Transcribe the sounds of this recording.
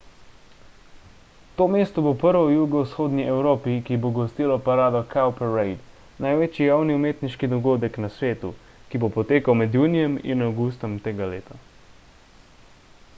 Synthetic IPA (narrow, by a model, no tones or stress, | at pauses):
t̪oːmeːst̪ɔbopəɾʋɔjuːɡɔwsxoːd̪niʔɛwɾoːpikiboɡɔst̪iːlɔpaɾaːd̪ɔkʰawpɛɾɛjd̪ | najʋet͡ʃijawniumeːt̪niʃkid̪ɔɡoːd̪ɛknasʋeːt̪ṵ | kibopɔt̪eːkawmɛd̪juːnijɛmḭnawɡuːst̪ɔmt̪eːɡaleːt̪a